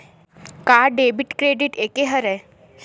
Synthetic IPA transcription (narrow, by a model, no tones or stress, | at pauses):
kaɖebiʈkɾeɖiʈekeɦəɾɛ